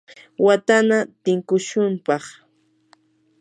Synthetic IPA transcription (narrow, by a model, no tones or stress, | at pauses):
wat̪anat̪ɪŋkʊʃʊmpɑχ